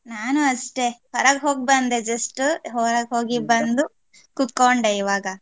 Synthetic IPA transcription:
naːnuɐsʈe̞pɐɾaːɡɦo̞ːɡ̚bɐnd̪ed͡ʒɐsʈɦoːɾaːɡɦoːɡibɐnd̪u | kut̪koɳɖeiʋaːɡɐ

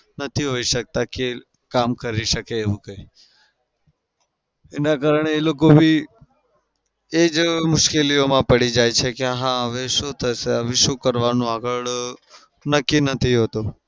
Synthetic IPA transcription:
nət̪ʰiɦoiʃək̚t̪ake | kamkəɾiʃəkeːʋũkəi | enakaɾəɳ̃eːlokobʱi | ed͡ʒmʊʃkeliomãpəɽid͡ʒajt͡ʃʰekeɦãəʋeʃũt̪ʰəseəʋiʃũkəɾʋanũaɡəɭ | nəkːinət̪ʰiɦot̪u

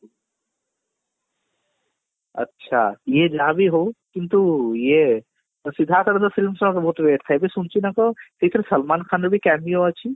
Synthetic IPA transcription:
ɐ̰tːʃʰa̰jed͡ʒaːbʱiɦowkint̪uje | sid̪ʱaːt̪ʰɐɾənd̪ɐfilmsɐmkbʱɦut̪beːʈt̪ʰajbesunt͡ʃʰinakɔt̪et̪ɾesəlmankʰanɾbʱikɛmioat͡ʃʰi

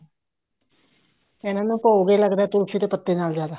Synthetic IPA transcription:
ɪnãːnũːpəuɡiːləɡd̪aːɛːt̪ʊlsiːd̪eːpət̪ːeːnaːlzjaːd̪aː

